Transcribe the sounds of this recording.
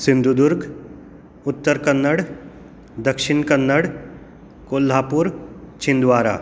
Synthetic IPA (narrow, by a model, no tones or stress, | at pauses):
sɪ̃nd̪ʱud̪ʊɾɡ | ʊt̪ːəɾkənːəɽ | d̪ɐkʃɪnkɐnːəɽ | koːlːaːpuːɾt͡ʃʰɪ̃nd̪ʋaːɾa̰ː